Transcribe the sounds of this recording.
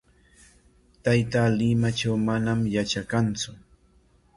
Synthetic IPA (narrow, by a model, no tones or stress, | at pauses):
t̪ajt̪alɪmat͡ʃawmanamjat͡ʃakant͡sʊ